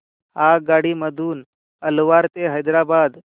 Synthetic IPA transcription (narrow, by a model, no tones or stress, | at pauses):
aɡaɽiːməd̪ʱuːn | əlʋaɾt̪eɦəjd̪ɾabad̪